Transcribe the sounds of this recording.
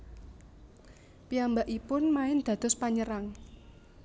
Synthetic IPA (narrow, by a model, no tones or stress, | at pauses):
piambaʔipʊnmaɪnd̪̥a̤d̪̥ɔ̤spaɲəɾaŋ